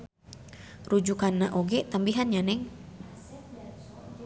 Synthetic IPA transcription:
rud͡ʒukanːaʔoɡɛt̪ambiɦanɲanɛŋ

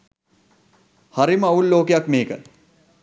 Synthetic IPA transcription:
haɾiməɐulːoːkejakmeːkə

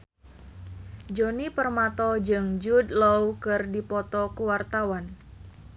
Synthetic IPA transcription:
d͡ʒonipərmat̪ɔd͡ʒɨŋd͡ʒud̚lowkɨrdipɔt̪ɔkəwart̪awan

